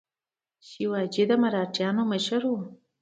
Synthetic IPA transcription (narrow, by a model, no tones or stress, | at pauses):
ʃiwɑd͡ʒid̪əmaɾɑʈjɑnoməʃaɾwu